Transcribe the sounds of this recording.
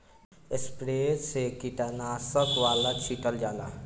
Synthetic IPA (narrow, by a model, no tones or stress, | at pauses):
espɾesekiʈanaːsəkwalat͡ʃʰiʈʰəld͡ʒala̰